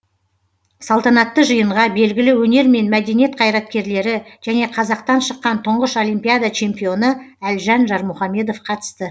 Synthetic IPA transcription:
sɑlˠt̪ɑnɑt̪ːəʒəjəɴʁɑbe̞lɡʲɪlɪwɵne̞ɾme̞nmæd̪e̞nijet̪̚qʰɑjɾɑt̪̚kʲe̞ɾle̞ɾɪʒ̥æne̞qʰɑzɑq̚t̪ɑnʃəqːɑnt̪ʰʊɴʁəʃo̞lijmpijad̪at͡ʃʰe̞mpijo̞nəælʒɑnʒɑɾmʊχɑme̞d̪o̞fqʰɑt̪ə̥st̪ə

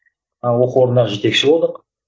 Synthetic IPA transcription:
wo̞quoɾənɑʒe̞t̪e̞kʃɪbo̞lˠd̪əq

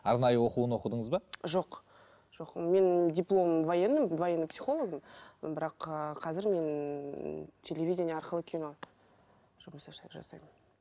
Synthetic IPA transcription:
ɑɾnɑjəwo̞quənwo̞qəd̪əɴəzbɑʒo̞q | ʒ̥o̞qme̞ndʲijplˠo̞mvojenːəmvojenːəpʲsʲiχo̞lˠoɡəmbɪɾɑqəqʰɑzɪɾme̞n | t̪ʲʰe̞lʲevʲijdʲenʲjɑɾqəlˠəkʲʰino̞ | ʒ̥ʊməsɑʃɑjt̪ʒɑ̰sɑ̰jmən

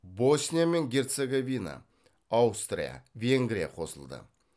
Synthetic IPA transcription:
bo̞snʲijame̞ŋɡʲe̞rt̪seɡovʲina̰ | awst̪rʲḭja̰vʲe̞ŋɡɾʲijaqʰo̞səlˠd̪ə̰

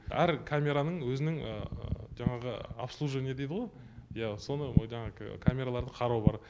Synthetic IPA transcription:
ʔæɾkʰamʲe̞ɾanəɴwɵzɪnɪŋəʒɑɴɑʁəa̰pslˠuʒene̞d̪e̞jd̪əʁo̞j | jaso̞nəʒɑɴɑʁəkʰamʲe̞ɾalˠɑɾd̪əqʰɑɾɑwbɑɾ

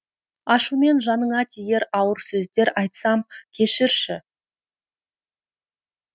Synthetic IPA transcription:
ɑʃume̞nʒɑnəɴɑt̪ʲʰije̞ɾɑwəɾsɵzd̪e̞ɾɑjt̪sɑmkʲʰe̞ʃɪɾʃɪ

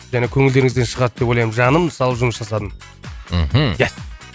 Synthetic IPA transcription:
ʒænekʲʰɵŋɪld̪e̞ɾɪŋɪzd̪enʃəʁɑt̪̚d̪ep̬wo̞jlɑjmənʒɑnəmnsɑlˠəpʒʊməsʒɑsɑd̪ən | m̩jæs

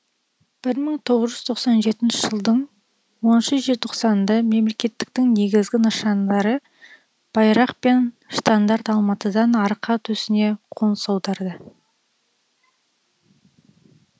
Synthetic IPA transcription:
b̥ɪɾməɴt̪ʰo̞ʁəzʒʏzt̪ʰoqsɑnʒe̞t̪ɪnʃɪʒ̥əlˠd̪əɴ | wo̞nnʃəʒet̪ʰo̞qsɑnd̪ɑme̞mle̞kʲe̞t̪ːɪ̥k̚t̪ɪŋne̞ɡʲɪzɡʲɪnəʃɑnd̪ɑɾə | b̥ɑjɾɑqpe̞n | ʃt̪and̪ɑɾt̪ɑlˠmɑt̪əd̪ɑnɑɾqʰɑt̪ʰɵsɪne̞qʰo̞nsɑwd̪ɑɾd̪ə

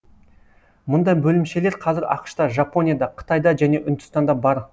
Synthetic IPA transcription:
mʊnd̪ɑjbɵlɪmʃele̞ɾqʰɑzɪɾɑ̰qʃt̪ɑʒapo̞nʲijad̪ɑqʰə̥t̪ɑjd̪ɑʒæne̞ʔʏnd̪ʏ̥st̪ɑnd̪ɑbɑɾ

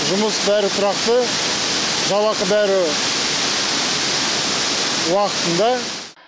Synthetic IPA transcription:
ʒʊməsbæɾɪt̪ʰʊɾɑqt̪ə | ʒɑlˠɑqəbæɾɪ | wɑqət̪ənd̪ɑ

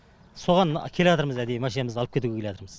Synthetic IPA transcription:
so̞ʁɑnkʲʰe̞leɑt̪əɾməzæd̪ejmæʃiemɪzɑlˠəp̚kʰʲe̞t̪uɡʲeeeɑt̪əɾməz

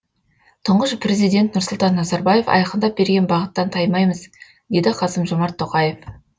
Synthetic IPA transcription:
t̪ʰʊɴʁəʃpre̞zijd̪ʲe̞nt̪̚nʊɾsʊlˠt̪ɑnːɑzɑɾbɑje̞fɑ̰jɑqənd̪ɑp̚be̞ɾɡʲe̞nbɑʁət̪ːɑnt̪ʰɑjmɑjməz | d̪e̞d̪ɪqʰɑsəmʒomɑɾt̪ʰːoqɑje̞f

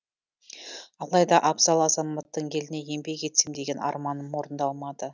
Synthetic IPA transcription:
ɑlˠɑjd̪ɑʔɑbzɑlˠɑzɑmɑt̪ːəɴjʰe̞lɪne̞je̞mbe̞kʲe̞t̪sɪmd̪eɡʲe̞nɑ̰ɾmɑnəmwo̞ɾənd̪ɑlˠmɑd̪ə

